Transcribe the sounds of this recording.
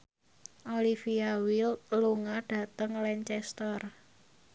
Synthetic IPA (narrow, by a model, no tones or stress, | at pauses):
ʔolifiawilluŋaɖ̥ä̤t̪əŋlɛɲt͡ʃɛst̪ɔr